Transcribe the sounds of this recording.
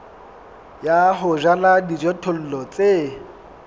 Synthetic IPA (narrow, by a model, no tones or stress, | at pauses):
jaɦʊʒaladid͡ʒɔtʰol̩lɔt͡sʼe